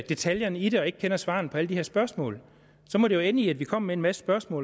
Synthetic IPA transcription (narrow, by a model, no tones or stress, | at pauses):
d̥e̝t͡sʰæljɐnid̥e̝ɒ̽e̝ɡ̥̚kʰenɐsʋɑ̰̈n̩pʰɒ̽æləd̥iheɐ̰sb̥ɶɐsmɔ̰̽ːl | sɒ̽mɒɾejoenəiæd̥ʋikʰɒ̽m̰meenmæsə̥sb̥ɶɐsmɔ̰ː